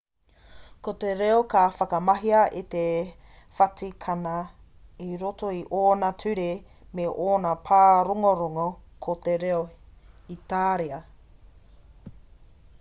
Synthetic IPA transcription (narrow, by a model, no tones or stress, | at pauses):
kot̪eɾeokaːfɐkɐmɐɦiɐʔit̪e | fɐtikʰɐnɐ | iɾotoiʔoːnɐtʰʉɾe | meʔoːnɐpʰaːɾoŋoɾoŋokʰot̪eɾeo | it̪aːɾeɐ